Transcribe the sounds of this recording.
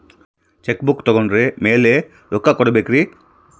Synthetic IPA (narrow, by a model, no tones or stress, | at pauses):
t͡ʃekbukt̪ɔɡɔnɾemeːle | ɾokːakɔɽibekɾi